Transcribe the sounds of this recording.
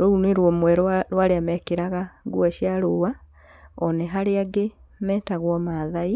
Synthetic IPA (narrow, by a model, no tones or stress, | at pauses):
ɾɔuneɾwɔmwɛɾɾwaɾeamɛkeɾaɣaɡuaɕjaɾowa | ɔnɛɦaɾeaɡe | mɛːtaɣwɔmaðai